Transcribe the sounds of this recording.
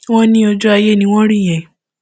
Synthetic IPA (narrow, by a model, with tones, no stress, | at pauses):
wɔ̃˦nĩ˦o˧d͡ʒu˦a˧je˦nĩ˧˦w̃ɔ̃˦ɾĩ˦˨j̃ɛ̃˨